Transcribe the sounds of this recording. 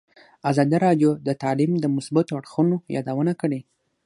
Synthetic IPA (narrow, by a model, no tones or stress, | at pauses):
azɑd̪iɾɑɖjod̪ət̪ɑlimd̪əmʊsbat̪oaɽxənojɑ̰d̪awənakəɽe